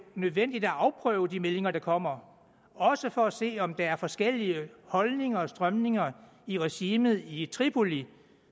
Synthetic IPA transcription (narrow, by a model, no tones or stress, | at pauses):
nøð̞ˠʋen̰d̥id̥æɑ̈ʊpʰʁœ̰ːʊəd̥imele̝ŋɐɾ̥ɑ̈kʰɒ̽m̰ɐ | ɒ̽səfɒ̽æse̝̰ːɒ̽md̥ɑ̈æɐfɒ̽sɡ̥el̰iəhɒ̽lne̝ŋɐːsd̥ʁɶmne̝ŋɐ | iʁɛɕiːmð̞̩ˠit͡sʰʁipʰo̝li